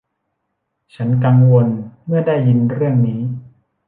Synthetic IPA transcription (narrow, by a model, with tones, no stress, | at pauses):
t͡ɕʰa˦˥nka˧ŋwo˧nmɯ˥˩ɐdaː˥˩jːi˧nɾɯ˥˩əŋniː˦˥